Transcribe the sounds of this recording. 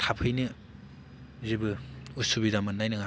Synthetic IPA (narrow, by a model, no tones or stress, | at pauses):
tʰapʰɯjnɯ | zibɯusubidamɯnːajnɯŋa